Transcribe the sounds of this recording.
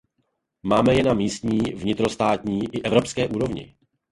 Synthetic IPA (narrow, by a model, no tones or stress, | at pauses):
maːmɛjɛnamiːst̪ɲiːvɲɪt̪ɾo̞st̪aːt̪ɲiːʔɪʔɛvɾo̞pskɛːʔuːɾo̞vɲɪ̰